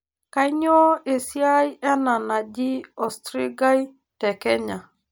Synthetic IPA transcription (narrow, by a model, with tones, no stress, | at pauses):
ka˦i˦ɲɔ˦e˨sja˦i˦ʔɛ˦na˨na˨d͡ʒi˦ɔ˨stɾi˦ɡa˦i˦ | tɛ˨kɛ˦ɲa˨